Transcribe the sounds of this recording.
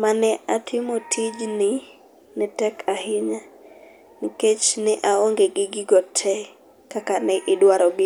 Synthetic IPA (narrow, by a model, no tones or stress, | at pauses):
manɛʔatʰɪmotʰid͡ʒnɪ | nɪtɛkʰahɪɲa | niket͡ʃnɪʔaoŋɡeɡɪɡɪɡɔtʰɛ | kakanɛʔɪdwaɾɔɡɪ